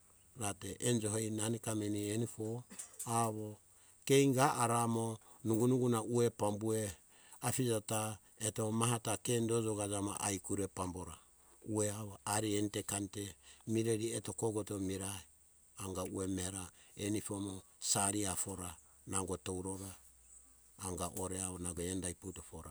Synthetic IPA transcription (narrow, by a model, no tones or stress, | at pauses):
ɾateʔend͡ʒoɦejnanikamenienifoaβo | kejŋɡaʔaɾamo | nuɡunuɡunaʔuepambue | afid͡ʒata | etomaɦatakendod͡ʒoɡad͡ʒama̰ʔajkuɾepamboɾa | ueaβaaɾientekantemiɾeɾietokoɡotomiɾai | aŋɡauemeɾaenipomo | saɾiafoɾa | naɡotowɾoɾaː | ŋɡaʔoɾeaβonaɡendajputofoɾa